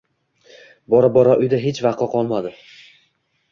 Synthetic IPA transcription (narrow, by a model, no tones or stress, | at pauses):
bɒɾabɒɾɒʔʊjd̪aɦet͡ʃvɑqɒqʰɒlˠmad̪ɪ